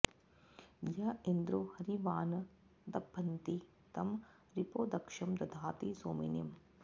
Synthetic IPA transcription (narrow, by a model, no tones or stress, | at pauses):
jɐind̪ɾoːhɐɾiʋaːnɐ | d̪ɐbʱːɐnt̪i | t̪ɐm | ɾipoːd̪ɐkʂɐmd̪ɐd̪ʱaːt̪isoːmḭnim